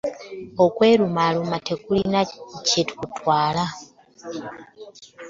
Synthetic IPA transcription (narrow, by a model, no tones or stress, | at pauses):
okwe̞ːɾumaːlumate̞kulinacetu̥kutwaːla